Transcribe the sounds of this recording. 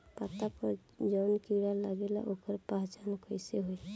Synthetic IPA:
pat̪apəɾ | d͡ʒɔʊnkiɽalaɡela̰ʔokəɾpaɦt͡ʃankʰojseɦoj

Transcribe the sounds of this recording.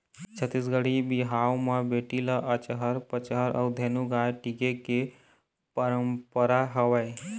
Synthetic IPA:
t͡ʃʰət̪ːisɡəɽibiɦawmebeʈiləʔət͡ʃəɦəɾpət͡ʃəɦəɾʔə̰d̪ʱenuɡajʈikeke | pəɾəmpəɾaɦəʋəj

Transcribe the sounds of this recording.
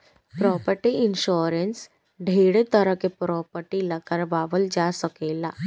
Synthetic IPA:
pɾɔpəɾʈiɪnʃoɾens | ɖʱeɽet̪əɾəkepɾɔpəɾʈilakəɾʋaːʋəld͡ʒasəkela

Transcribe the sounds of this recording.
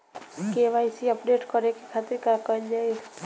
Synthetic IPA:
keʋajsiəpɖeʈkəɾekekʰat̪iɾkakənd͡ʒae

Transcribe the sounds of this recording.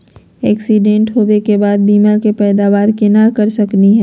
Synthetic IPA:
ɛːksiɖẽɳʈɦoːwekebaːd̪̚biːmakepɛːd̪aːʋaːɾkɪnakɐɾsɐkniɦɛ̃ː

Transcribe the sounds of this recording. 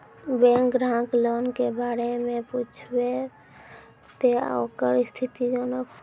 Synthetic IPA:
bẽŋkɾãklonkebaɽemeput͡ʃʰbe | t̪ḛokəɾst̪ʰit̪id͡ʒonək

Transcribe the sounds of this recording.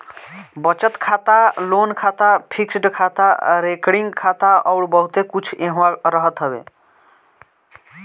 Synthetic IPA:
bət͡ʃət̪kʰat̪alonkʰat̪apʰiksɖkʰat̪aɾekɽiŋɡkʰat̪aɔwɽbəɦut̪ekut͡ʃʰẽɦaɾəɦət̪ɦəbḛ

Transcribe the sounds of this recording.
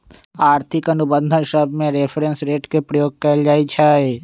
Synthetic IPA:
aːɾt̪ʰɪkɐnʊbə̃nd̪ʱənʃəbʱmẽɾepʰɾẽnsɾeːʈkepɾɐjoːɡ̚kɐld͡ʒaːit͡ʃʰaːe

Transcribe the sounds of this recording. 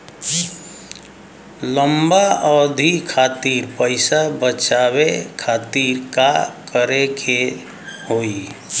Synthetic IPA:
ləmbaɔd̪ʱikʰat̪iːɾpəɪsabət͡ʃaβekʰat̪iɾkakəɾekʰe | hoi

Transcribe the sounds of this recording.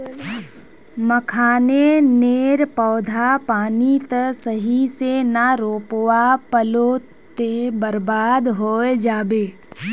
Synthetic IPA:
məkʰaːneneːɾpɔːd̪ʱapaːnit̪əsəɦisenaɾoːpwapəlo | t̪ebəɾbaːd̪ɦoːed͡ʒaːbeː

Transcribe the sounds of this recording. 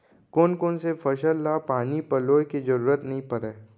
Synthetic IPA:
koːnkoːnsefʰɐʃəlːapaːnipɐloːjkid͡ʒɐɾuːɾət̪nɐɦĩpɐɾeː

